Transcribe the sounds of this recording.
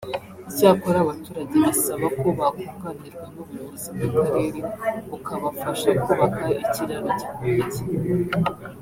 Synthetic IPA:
icaːkoɾaβatuːɾaɟeβisaβakuβakuɡaniɾɡwanummuziɡakaɾe̞ːɾeukʰaβafaʃakuβakaiciɾaɾocakeːte

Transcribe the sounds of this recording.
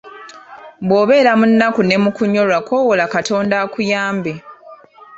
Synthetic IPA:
bwo̞ːβe̞ːɾamunːakune̞mukuɲːo̞lwako̞wolakato̞ːndakujaːmbe

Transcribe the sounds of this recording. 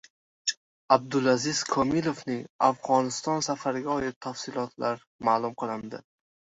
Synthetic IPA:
ab̚d̪ʊlazɪz̥kʰɒmilˠofnɪafʁɒnɪst̪ɒnsafaɾɡʲaɒjɪt̪ʰːafsɪlɒt̪ʰlaɾ | maːlˠʊmqɨlˠɪnd̪ɪ̰

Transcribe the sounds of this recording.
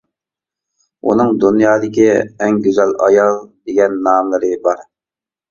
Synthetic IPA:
ṵnɨŋd̪unjɑːd̪ɪkʲiɛŋɡʲyzɛlʔɑ̰jɑlˠd̪eɡʲɛnːɑːmlˠɨɾɨbɑɾ

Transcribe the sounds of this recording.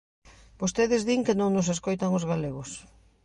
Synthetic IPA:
b̥ost̪eðɪzðiŋkɪnõŋnʊseskojt̪aŋʊzɣaleɣʊs

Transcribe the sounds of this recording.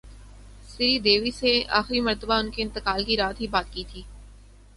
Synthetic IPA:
sɪid̪eːʋisea̰ːxɾimɐɾt̪əbaʊnkeɪ̃nt̪ɪkaːlkiɾaːt̪ɦibaːt̪kiːt̪ʰiː

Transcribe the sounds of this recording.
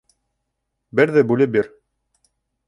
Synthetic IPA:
bɘɾðɘbʉlɘp̚biɾ

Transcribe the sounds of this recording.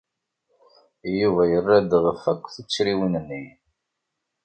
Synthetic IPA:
juvæjərːæd̪ʁəfækʷːθət͡sːɾiwinənːi

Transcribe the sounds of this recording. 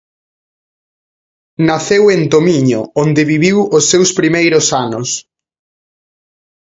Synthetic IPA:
naθewent̪omiɲo̰ond̪ɪβiβiwosːewspɾimejɾʊsanʊs

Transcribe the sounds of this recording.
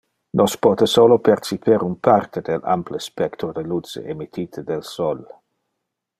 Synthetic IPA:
nʔospɔːt̪esolopeɾt͡ʃipʰeɾunpʰart̪ed̪ela̰mplespɛkt̪ɾod̪elut͡sḛʔemit̪ʰiːt̪ʰəd̪elsɔl

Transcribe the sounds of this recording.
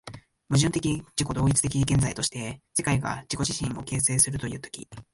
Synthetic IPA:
mɯ̟ʑɨ̃nt̪e̞kʲid͡ʑiko̞d̪o̞ːit͡sɨ̥t̪e̞kʲiɡẽ̞nd͡zait̪o̞ɕi̥t̪e̞se̞kaiɡa̰d͡ʑ̥iko̞ʑiɕĩŋo̞ke̞ːse̞ːsɨɾɯ̟t̪o̞jɯ̟ːt̪o̞̥kʲḭ

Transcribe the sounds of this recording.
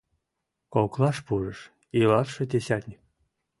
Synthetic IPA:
kolklɑʃpuɾəʃ | ilɑrʃɤ̆d̪ʲeɕat̪ʲnʲik̚

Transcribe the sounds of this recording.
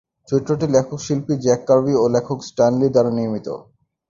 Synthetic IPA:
t͡ɕit̪ːɾoʈilɛkʰokʃilpid͡ʑɛkːaɾbiolɛkʰoksʈanlid̪aɾaniɾmit̪o̰

